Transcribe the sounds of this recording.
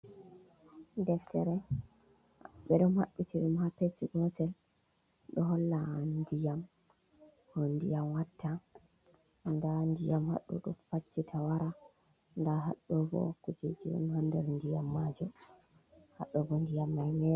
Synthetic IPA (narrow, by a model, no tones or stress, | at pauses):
dɛftɛɾɛ | ɓɛɗumhaɗːutiɗumhapet͡ʃːiɡɔtɛl | ɗɔɦɔlːandijam | hɔndijamwatːa | ndandijamha̰ɗːṵɗṵmfat͡ʃːitʰawaɾa | ndaɦa̰ɗːɔvɔ̰kɔd͡ʒed͡ʒiɗṵnhɔndɛɾndijamːad͡ʒu | ha̰ɗːɔvɔndijamːajnɛ